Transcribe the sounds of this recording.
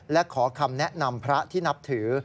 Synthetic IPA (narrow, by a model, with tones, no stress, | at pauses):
lɛ˦˥kʰɔː˩˦kʰa˧mnɛ˦˥ʔna˧mpʰɾa˦˥t̪ʰiː˥˩na˦˥p̚t̪ʰɯː˩˦